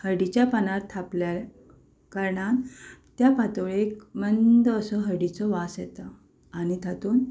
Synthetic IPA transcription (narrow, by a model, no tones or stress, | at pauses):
həɾɖit͡ɕjapanaɾt̪ʰaplja | kəɾɳat̪japat̪oɭekmənd̪əːsɔɦəɾɖit͡sɔʋasjɛt̪ə | añit̪at̪uːn